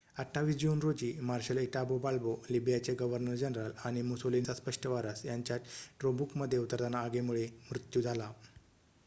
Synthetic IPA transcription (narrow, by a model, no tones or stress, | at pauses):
əʈʰːaʋiːsd͡ʑuːnɾod͡ʑiːmaɾɕəliʈabobaɭbolibijat͡seɡəʋəɾnəɾd͡ʑənɾəlaɽ̃imusolint͡saspəʂʈəʋaɾasjaɲt͡ɕjat̪ʈɾobukməd̪ʱːjeut̪əɾd̪ʱanaːɡemuɭemɾut̪jud͡zʱala